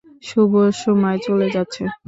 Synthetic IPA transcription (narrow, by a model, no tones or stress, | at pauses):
ʃuboʃomɔet͡ɕoled͡ʑatːɕʰe